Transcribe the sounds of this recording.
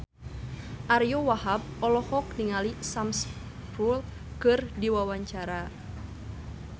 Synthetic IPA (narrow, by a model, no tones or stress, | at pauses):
ʔaɾjowahab̚ɔlɔhɔk̚niŋalisams | pul | kɨrdiwawaɲt͡ʃaɾa